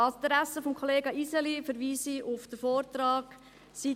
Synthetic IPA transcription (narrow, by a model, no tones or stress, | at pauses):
ɑt̪ɾæsəfɔmkʰoleːɡɑʔisɛlifəɾʋiːsiʊfd̥əfoːrtrɑːɡ | si